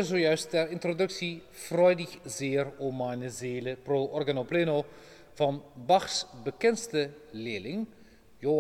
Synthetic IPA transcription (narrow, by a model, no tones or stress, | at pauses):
zojœɥstɛrɪntrodɵksi | frœɥdəxzeːromanəzeːləproʔɔrɡanopleːno | v̥ɑnbɑxsbəkɛnstəleːlɪŋ | jo